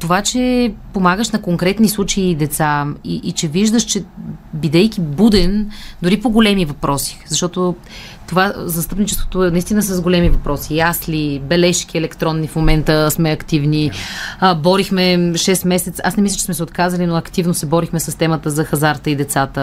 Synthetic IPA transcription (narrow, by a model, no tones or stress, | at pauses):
t̪ovat͡ʃɛpomaɡəʃnɐkoŋkɾɛt̪nislˠut͡ʃeiːd̪ɛt̪saḭʔːt͡ʃɛviʒd̪əʃt͡ʃɛbid̪ɛjkʲibud̪ɛnd̪ʊɾipoɡolɛmivɐpɾʔɔsi̥zɐʃt̪ɔt̪o | t̪ovazɐst̪ɤpnit͡ʃɛst̪vo̥t̪oɛnɐist̪inəsɐzɡolɛmivɐpɾɔsijaslibɛlɛʃk̟iɛlɛkt̪ɾɔnːifmomɛnt̪əsmɛɐkt̪ivni | bɔɾixmɛʃɛst̪mɛsɛt̪sa̰snɛmislʲət͡ʃɛ̥smɛsɛot̪kazəlinoɐkt̪ivnosɛbɔɾixmɛsəst̪ɛmət̪əzɐxɐzaɾt̪əid̪ɛt̪sat̪ə